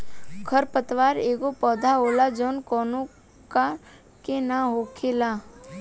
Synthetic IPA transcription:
kʰəɾpət̪ʋaːɾeːɡopɔːd̪ʱaɦoːlad͡ʒɔːnkɔːnõ | ka | kenaɦokʰeːla

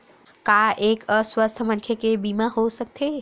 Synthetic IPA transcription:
kaʔeːkəswəst̪ʰəmənkʰekebiːmaɦosək̚t̪ʰe

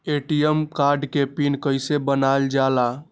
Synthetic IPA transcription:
eʈijəmkaɾɖkepinkəjsebənald͡ʒala

